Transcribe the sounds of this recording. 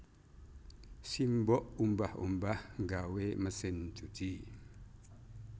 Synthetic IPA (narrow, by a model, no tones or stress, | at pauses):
simbɔʔumbahṵmbahŋɡaweməsɪnd͡ʒud͡ʒi